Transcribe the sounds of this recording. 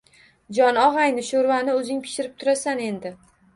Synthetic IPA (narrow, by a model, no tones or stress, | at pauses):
d͡ʒɒnɒʁajnɪʃoɾvanɪɵzɪŋpʰɪ̥ʃɪɾɪp̚t̪ʰʊɾasane̞nd̪ɪ